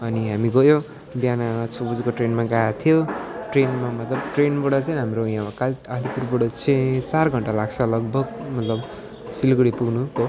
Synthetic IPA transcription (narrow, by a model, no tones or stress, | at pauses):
ʌniɦamiɡʌjo | bjanat͡sʰobud͡zkoʈrenmaɡajat̪ʰijoʈrenmamʌt̪lʌbʈrenbʌɽʌt͡saĩɦamrojãwakalalipurbʌɽʌt͡sʰẽt͡sarɡʱʌɳʈalaɡt͡sʰʌlʌɡ̚bʱʌɡ̚mʌt̪lʌb | silɡɽipuɡnuko